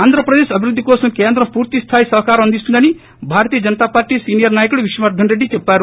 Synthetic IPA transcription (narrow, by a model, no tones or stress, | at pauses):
and̪ʱɾəpɾɐd̪eʃɐbʱiɾud̪ʱːikoːsɐnkeːnd̪ɾɐpuːɾt̪ist̪ʰaːjsɐɦkaɾond̪ist̪und̪ɐñi | bʱaɾt̪ijəd͡ʒənt̪apaːɾʈisiːnijəɾnaːjkuɽʋiʃɐmaɾd̪ʱɐnɾeɖit͡ʃepːaɾ